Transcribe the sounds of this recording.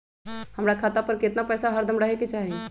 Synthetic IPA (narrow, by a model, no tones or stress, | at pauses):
həmɾakʰaːt̪apəɾkɪt̪napɛːsaɦəɾd̪ʱəmɾəɦeket͡ʃaːɦi